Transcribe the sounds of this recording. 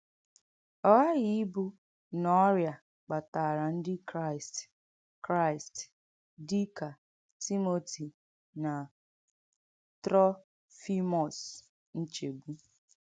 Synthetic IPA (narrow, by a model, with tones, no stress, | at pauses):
ɔ˦ɣa˦ɣi˨˦i˦bʊ˦ | nɔ˨ɔ˦ɾja˨ | k͡pa˨ta˨ɾa˨n̩˦dɪ˦kɾa˦˨ɪ˨st | kɾa˦˨ɪ˨st | di˦ka˨ | ti˦mo˨ti˨ | na˨ | tɾɔ˦ | fi˦mɔ˨s | n̩˦t͡ʃe˨bu˦